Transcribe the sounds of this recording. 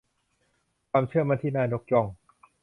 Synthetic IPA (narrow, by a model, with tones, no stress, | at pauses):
kʰaː˧mt͡ɕʰɯ˥˩ɐma˧nt̪ʰiː˥˩naː˧jno˦˥k̚t͡ɕɔ˧ŋ